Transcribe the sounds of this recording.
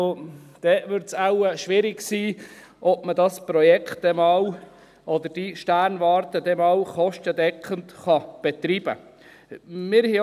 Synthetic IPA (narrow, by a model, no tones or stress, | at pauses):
od̪̥ɛvʏɾtsaʊəʃʋɪɾɪɡsiː | ʔɔpmədɑspɾɔjɛkχtdɛmɑːw | ʔɔd̪əɾd̥iʃtæɾnʋɑːɾtədɛmɑːwχɔʃtədɛkχəntχɑb̥ɛt̪ɾiːb̥ə̰ | mɪɾh